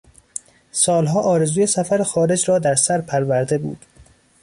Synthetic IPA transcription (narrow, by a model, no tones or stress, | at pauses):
sɒːlɦɒːʔɒːɾe̞zuːje̞sæfæɾexɒːɾe̞d͡ʒɾɒːd̪æɾsæɾpʰæɾvæɾd̪e̞bṵːd̪̥